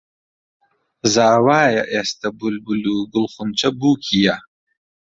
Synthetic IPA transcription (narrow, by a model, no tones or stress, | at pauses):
zaːwaːja̰ʔest̪ɐbulbuluːɡʊlχʊnt͡ʃɐbuːkʰija